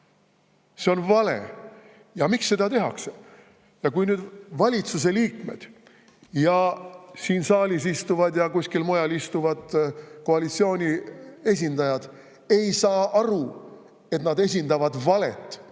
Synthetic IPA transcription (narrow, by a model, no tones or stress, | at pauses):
se̞o̞nvɑlḛ | jɑmiksːe̞d̪ɑt̪e̞ɦɑ̰kse | jɑkujnyːd̪vɑlʲit̪sus̬e̞liːkme̞̰d̪̥ | jɑsiːnsɑːlʲis̬ist̪uvɑd̪jɑkusʲkilmo̞jɑlist̪uvɑd̪̥ko̞ɑlit̪sio̞ːnʲie̞s̬ʲind̪ɑjɑd̪̥ | e̞jsɑːʔɑɾu | e̞t̪nɑd̪es̬ʲind̪ɑvɑd̪vɑle̞̰t̪ːˑ